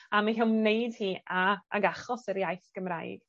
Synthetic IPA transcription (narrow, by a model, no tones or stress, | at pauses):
amaɦɛlˠmneɨd̥hiːaa̰ɡaχɔsəɾijajθɡ̥əmra̰ːjɡ̥